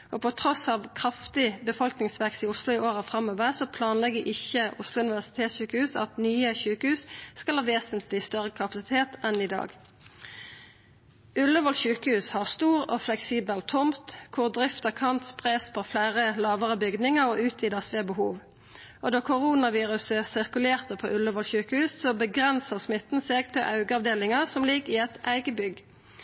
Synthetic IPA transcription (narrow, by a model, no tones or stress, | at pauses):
ʔopɔt̪ʰʁɔsɑʋkʰʁɑft̪ɪbəfɔlknɪŋsʋɛksiːʊslʊɪʔoːʁəfʁɑmoːʋəʁsɔpʰlɑːnlɛɡəʔɪçəʊslʊʉnɪʋæʁsɪ̥t̪ʰeːt̪sʃʉːkəhʉːsɑ̰t̪nyːəçʉːkəhʉːsskɑlhɑːʋeːsənt̪ʰlɪst̪œʁəkʰɑpɑsɪt̪ʰeːt̪ɛnɪd̪ɑ̰ːɡ | ʉləʋɔlçʉːkəhʉːshɑʁst̪uːʁoflɛksiːbəlt̪ʰʊmt̪kʰʊʁd̪ʁɪft̪əkʰɑnt̪spʰʁɛspʰoflæːʁəlɑːʋəʁəbʏɡd̪nɪŋəʁoːʉːt̪ʰʋiːd̪əsʋeːbəhuːʋ | ʔoːd̪ɑːkʰʊʁuːnɑʋiːʁʉsəsɪʁkʉleːʁt̪əpʰo̰ːʔʉləʋɔlçʉːkəhʉːssoːbəɡʁɛnsəʁsmɪt̪n̩seːɡt̪ʰɪlʔɑʉɡəɑʋd̪eːlɪŋəʁsɔmlɪɡɪɛt̪æɪɡəbʏɡ